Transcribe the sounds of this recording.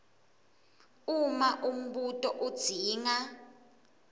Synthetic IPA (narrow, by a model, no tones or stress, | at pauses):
umaʔum̩ɓutʼɔʔud̥z̥ʱiːŋa